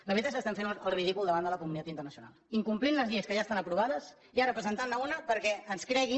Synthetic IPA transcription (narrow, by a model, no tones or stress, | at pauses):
ləβɾit̪asəst̪aɱfenəlˠriðikulˠd̪əβand̪ələkumunit̪at̪int̪ərnəsiuna̰lˠiŋkumplinləzʎiəskəʒast̪anəpɾuβaðəs | iaɾəpɾəzənt̪annəunəpəɾkɛənskɾɛɣi